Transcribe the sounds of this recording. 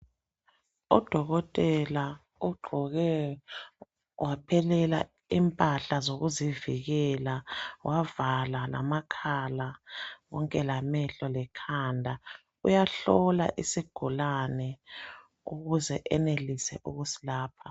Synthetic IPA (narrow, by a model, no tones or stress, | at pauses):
ɔd̥ʱɔɣɔtʼɛla | uɡ͡ǃʱɔɣɛ | wʔapʰɛlɛla̰ | impʼaɬazoɣuziviɣɛlawʔavalala̰makʰalaɣɔŋkʼɛlamɛɬɔlɛkʰandʱa | ujaɬɔla̰ʔisiɡ̥ʱulanɛ | uɣuzɛʔɛnelisɛʔuɣusi̥laːpʰḁ